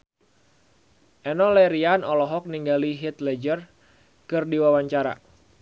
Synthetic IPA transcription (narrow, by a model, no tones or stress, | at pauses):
ʔɛnɔlɛɾianɔlɔɦɔk̚niŋɡaliɦit̪lɛd͡ʒər | kɨrdiwawaɲt͡ʃaɾa̰